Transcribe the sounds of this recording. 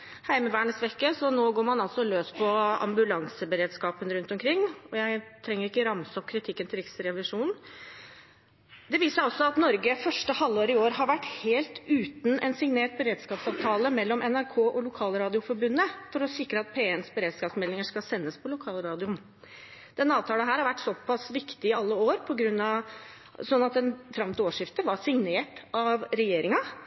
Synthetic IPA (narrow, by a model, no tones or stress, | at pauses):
hæɪməʋæːɳəsʋɛkːəsɔnoːɡoːɾmɑnɑlsɔløːspʰɔɑ̰mbʉlɑŋsəbəɾeːd̪skɑːpənɾʉnt̪ɔmkʰɾɪŋːɔjæɪt̪ʰɾɛŋːəɾɪkːəɾɑmsɔp̚ːkʰɾɪt̪ʰɪkːənt̪ɪlɾɪksɾɛʋɪʂuːnn̩ | d̪ɛʋiːsəɾɔsːɔɑt̪nɔɾɡəfœʂʈəhɑlːoːɾɪoːɾɦɑɾʋæʈːheːlt̪ʉːt̪nɛnsɪŋneːʈ̚bəɾeːd̪skɑːpsɑːʋt̪ʰɑːləmɛlːɔmʔɛnæɾkʰoːʔɔlʊkʰɑːlɾɑːd̪ɪʊfɔɾbʉnːəfɔɾɔsɪkɾəɑt̪̚pʰeːɛnsbəɾeːd̪skɑːpsmɛlːɪŋəʂkɑsɛnːəspʰɔlʊkʰɑːlɾɑːd̪ɪʊn | d̪̥ɛnɑːʋt̪ʰɑːləɦæːɾhɑɾʋæʈːsɔpʰɑsʋɪkt̪ɪɪɑlːəoːɾpʰɔɡɾʉnːɑʋ | sɔnːɑt̪̚ɛnfɾɑmt̪oːʂɪft̪əʋɑsɪŋneːʈɑʋɾɛjeːɾɪŋɑ